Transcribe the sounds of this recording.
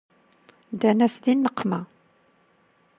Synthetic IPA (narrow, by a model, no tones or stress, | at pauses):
d̪ænæsd̪inːəqːmæ